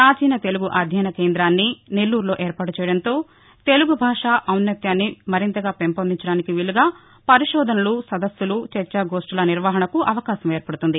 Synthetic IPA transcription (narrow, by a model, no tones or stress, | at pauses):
ɾaːd͡ʒiːnɐt̪e̞luɡuʔɐd̪ʱjɐjnɐkeːnd̪ɾaːnːine̞lːuːɾlo̞ːʔeːɾpaːʈut͡ʃɛːjɐɽɐnt̪o̞ː | t̪e̞luɡubʱaːʂaːʔɐwnːɐt̪jaːnːimɐɾint̪ɐɡaːpempond̪iɲt͡ʃɐɽaːnikiʋiɭuɡaː | pɐɾiʂɔːd̪ʱɐnɐlusɐd̪ɐsːulut͡ʃɛt͡ʃːɐɡoːʂʈɐlɐniɾʋaːɦɐɳɐkuʔɐʋɐkaːɕɐmeːɾpɐɽut̪und̪i